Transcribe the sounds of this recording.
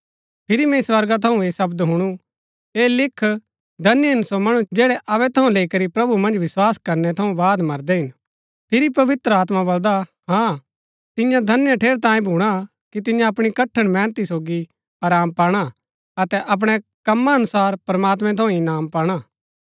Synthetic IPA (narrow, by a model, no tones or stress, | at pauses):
pʰɪɾimɛ̃sʋɐɾɡat̪ʰɐũeːsɐbd̪ɦʊɽ̃u | eːlɪkʰː | d̪ʱɐnjəɪnsomɐɽud͡ʒɛːɽɛʔɐʋɛt̪ʰɐũleːikɐɾipɾɐbumɐ̃nd͡ʒʋɪswaːskɐɾnɛt̪ʰɐũbaːd̪mɐɾd̪ɛɦɪn | pʰɪɾipɐʋɪt̪ɾəaːt̪̬mabɐld̪aɦã | t̪ɪjãd̪ʱɐnjəʈʰeːɾt̪ãːĩbʱuːɽ̃a | kit̪̬ɪ̃jãɐpɽ̃ikɐʈʰəɽ̃mɛ̃ːnt̪isoːɡi | aːɾaːmpaːɽ̃a | ɐt̪ɛʔɐp̬ɽ̃ɛkɐmːaɐnʊsaːɾpɾɐmaːt̪mɛ̃t̪ʰɐũɪnaːmpaːɽ̃a